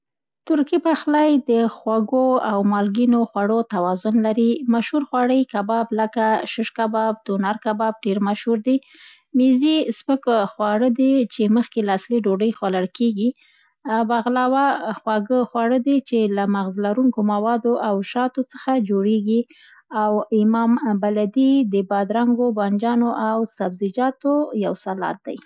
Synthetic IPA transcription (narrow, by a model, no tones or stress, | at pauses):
t̪ʊɾkipaxlajd̪əxwaɡoawmɑlɡinoxwaɽot̪awɑzʊnlaɾimaʃhuɾxwɑɽəjkabɑbləkaʃəʃkabɑb̚d̪̥onaɾkabɑb̚ɖeɾmaʃhuɾd̪e | mizisməkxwɑɽəd̪et͡ʃeməxkelaːsliɖoɖəjxwaləɽkeɡi | baɣlɑwaxwaɡəxwɑɽəd̪et͡ʃelamaɣzlaɾuŋkomawɑd̪oʔawʃɑt̪ot͡səxad͡ʒoɽeɡi | awɪmɑmbalad̪id̪əbɑd̪ɾaŋɡobɑnd͡ʒɑnoʔawsabzɪd͡ʒɑt̪ojawsalɑ̰t̪̚d̪a̰j